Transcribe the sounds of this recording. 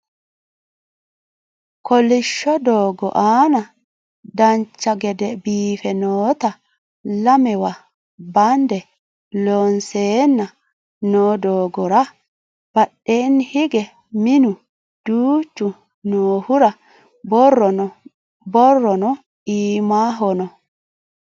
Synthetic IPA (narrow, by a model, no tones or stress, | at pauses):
kɔlɪʃːɔd̪oːɡɔ̰ʔaːnɐ | d̪ɐnt͡ʃːɐɡɛd̪ɛbiːfɛnoːt̪ɐ | lɐmɛwɐ | bɐnd̪ɛ | lonseːnːɐ | noːd̪oːɡɔɾɐ | b̥ɐɗːenːhɪɡɛ | mɪnʊ | d̪̥uːt͡ʃːʊ | noːhʊɾɐ | bɔrːɔɔ | bɔrːɔnɔ | iːmaːɦɔnɔ